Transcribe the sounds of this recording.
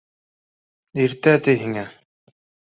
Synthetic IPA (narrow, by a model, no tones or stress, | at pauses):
iɾt̪æt̪ɘɦiŋæ